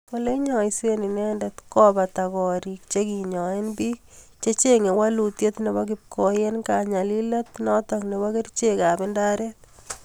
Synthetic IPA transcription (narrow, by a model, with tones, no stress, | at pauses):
wɔ˦le˦ɲɔ˨ɪse˦ni˨nɛ˦ndɛt̪kɔ˦ba˨ta˨kɔ˨ɾi˨k̚t͡ʃe˦ki˨ɲɔ˨e˦nbi˦ | t͡ʃe˦t͡ʃe˦ŋe˨wa˦lu˨tje˦t̪ne˨bɔ˦k̬ɪp̚kʰo˨je˦nka˨ɲa˨lila˦t̪nɔ˦tɔ˨kne˨bɔ˦kɪ˦rt͡ʃe˦ka˨bɪ˦nda˦ɾet